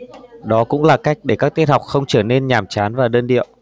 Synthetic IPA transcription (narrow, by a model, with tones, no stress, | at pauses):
ɗɔ˨˦kʊ̰˧˥ŋ͡mlaː˨˩ka˦˥jk̟̚ɗe˧˩kaː˦˥k̚t̪i˦˥t̚ha˨˩k͡pk̚xə˧wŋ͡mt͡ɕəː˧˩ne˧nɲaː˨˩mt͡ɕaː˨˦nvaː˨˩ɗəː˧nɗḭ˧˨əw